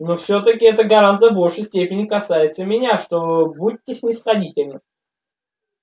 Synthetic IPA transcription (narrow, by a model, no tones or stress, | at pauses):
nofsʲot̪ək̬ʲɪɛt̪əɡɐɾazd̪əbo̞lʲʂɨjsʲtʲepʲɪnʲɪkɐsajɪt̪səmʲɪnʲaʂt̪o̞but̚ʲːɪsʲnʲɪsχɐdʲitʲɪlʲnɨ